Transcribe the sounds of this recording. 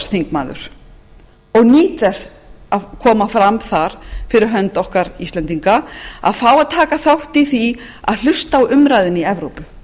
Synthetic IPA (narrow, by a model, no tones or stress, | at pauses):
sθiŋkmaːðʏ̰ɾ̥ | ɔɣniːt̪ðɛs | akʰɔːmafɾamθaɾ̥fɪɾɪɾ̥ɦœnt̪ɔhkaɾist̪ɛnt̪iŋkaa̰ðfaːwaðt̪ʰaːkaθawht̪iθi | a̰ðl̥ʏst̪aːwʏmɾaːjðɪniɛvɾowpʏ̥